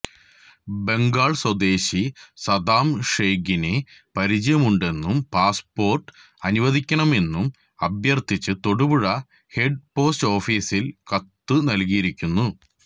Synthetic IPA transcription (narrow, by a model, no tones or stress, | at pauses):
be̞ŋɡaːɭswɐd̪e̞ːɕisɐd̪aːmʂeːɡine | pɐɾid͡ʑɐjɐmuɳɖe̞nːumpaːspo̞ːrʈɨ̥ | ɐnuʋɐd̪ʱikʲːɐɳɐme̞nːum | ɐbjɐrt̪ʰit͡ɕːɨt̪o̞ɽubuɻɐ | he̞ɖ̚po̞ːsto̞ːfiːsilkɐt̪ːɨnɐlkijiɾikʲːunːu